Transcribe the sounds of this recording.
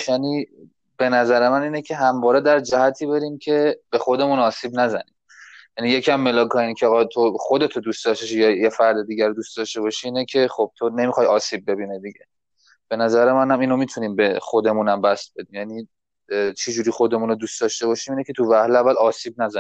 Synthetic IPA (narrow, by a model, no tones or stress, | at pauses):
jæni | b̥e̞næzæɾe̞mæniːnecʰe̞ɦæmvɒːɾed̪æɾd͡ʒæhæt̪ʰiːbe̞ɾiːmcʰe̞b̥e̞xo̞d̪e̞munɒːsiːbnæzæniːm | jænije̞cʰiæmːe̞lɒːkʰɒːjinicʰeːɣɒt̪ʰoχo̞d̪e̞t̪ʰod̪uːstd̪ɒʃt̪eʃijɒjefæɾd̪ed̪iːɟæɾod̪ust̪d̪ɒʃt̪e̞βɒʃiːnecʰe̞χob̥̚t̪ʰone̞mixɒjɒːsiːb̚ːe̞biːned̪iɟe̞ | b̥e̞næzæɾe̞mænhæmiːnomit̪ʰuniːmbeχo̞d̪e̞munæmbæst̪̚be̞d̪iːmjæniː | t͡ʃʰed͡ʒuːɾiːxo̞d̪e̞muːnod̪uːst̪ɒʃt̪e̞βɒʃiːmiːnecʰe̞t̪ʰuvæhleævːælɒːsiːbnæzæi